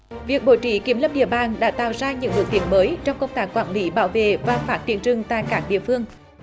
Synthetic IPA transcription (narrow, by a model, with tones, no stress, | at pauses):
vi˨˩ək̚ɓo˧˩jt͡ɕḭ˧˩ki˧˩mlə˧˥p̚ɗḭ˧˨əɓaː˨˩ŋɗa̰ː˧˥t̪a̰ː˧˨wzaː˧ɲɨ̰˧˥ŋɓu˨˩ək̚t̪i˨˦ənməː˨˦jt͡ɕɔ˧wŋ͡mkə˧wŋ͡mt̪aː˦˥kːwaː˧˩nli˨˦ɓa̰ː˧˩wvḛ˧˨vaː˨˩faː˦˥t̚t͡ɕ̪ḭ˧˩ənt͡ɕɨ˨˩ŋt̪a̰ː˧˨jkaː˦˥k̚ɗḭ˧˨əfɨ˧əŋ